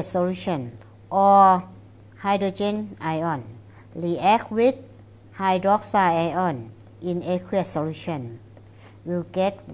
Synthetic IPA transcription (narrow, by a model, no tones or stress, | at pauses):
soluɕʰɔn | ʔɔ | hajdod͡ʒenʔajɔn | liʔɛk̚wit̪̚ | hajdɔk̚saajɔn | ʔinekʰwisoluɕʰɔn | wiɡɛt̚